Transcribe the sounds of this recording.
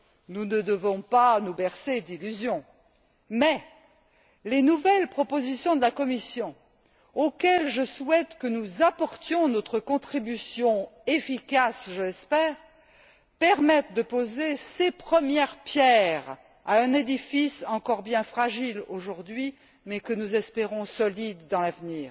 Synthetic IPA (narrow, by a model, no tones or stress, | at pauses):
nunəd̪əvɔ̃panubɛʁsed̪ilyzjɔ̃ | mɛ | lenuvɛlpχɔpozisjɔ̃d̪əlakɔmisjɔ̃ | okʲɛlʒəswɛt̪kənuzapɔʁt̪jɔ̃nɔt̪χəkɔ̃t̪χibysjɔ̃efikʲasʒəlɛspɛːʁ | pɛʁmɛt̪̚d̪əpozesepχəmjɛʁpjɛʁ | aɛ̃ned̪ifisɑ̃kɔʁbjɛ̃fχaʒiloʒuʁd̪ɥi | mɛkənuzɛspeʁɔ̃sɔlid̪ːɑ̃lavniːʁ